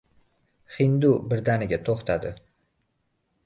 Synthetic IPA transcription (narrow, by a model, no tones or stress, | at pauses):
χɪnd̪ubɪɾd̪anɪɡʲat̪ʰoχt̪ʰad̪ɪ